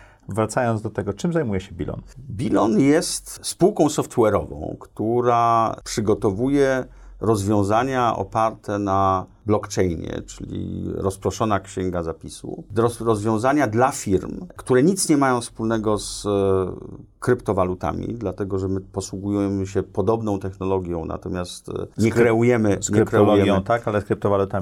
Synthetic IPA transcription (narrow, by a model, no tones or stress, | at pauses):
vɾat̪sajɔnd̪d̪ɔt̪ɛɡɔt͡ʂɘmzajmujɛɕɛbʲḭlʔɔ̰nbʲilɔnjɛst̪spuwkɔ̃w̃sɔft̪wɛɾɔ̰vɔ̰̃w̃kt̪uɾapʂɘɡɔt̪ɔvujɛ | ɾɔzvʲjɔ̃w̃zaɲaʔɔ̰paɾt̪ɛna | blɔkt͡ʂɛjɲɛ̰t͡ʂɘ̰lʲḭɾɔspɾɔʂɔnakɕɛŋɡazapʲisṵɾɔɾɔzvʲjɔ̃w̃zaɲad̪lafʲiɾmkt̪uɾɛɲit̪sɲɛmajɔ̃w̃fspulnɛɡɔs | kɾɘpt̪ɔvalut̪a̰mʲḭd̪lat̪ɛɡɔʐɛmɘpɔswuɡujujɛmɘɕɛpɔd̪ɔbnɔ̃w̃t̪ɛxnɔlɔɡʲjɔ̃w̃na̰t̪ɔmʲjast̪ɲɛɾɛujɛmɘɲɛɾkɾɛulɔjɛjɔt̪akalɛskɾɘp̚t̪ɔvalut̪a